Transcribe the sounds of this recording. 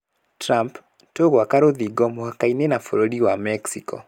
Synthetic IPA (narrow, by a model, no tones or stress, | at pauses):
tɾamp | toɣwakaɾoðiɡɔmoakainenafoɾodiwamɛksikɔ̰